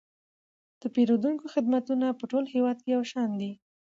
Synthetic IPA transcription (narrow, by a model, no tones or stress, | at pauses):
d̪̥əpeɾod̪uŋkoxɪd̪mat̪unapəʈolhewɑd̪̚kejawʃɑnd̪i